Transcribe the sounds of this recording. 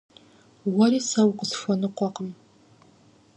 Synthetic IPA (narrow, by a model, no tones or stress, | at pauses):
wɐɾiːsɐwqəsfʷɐnɨqʷɔqəm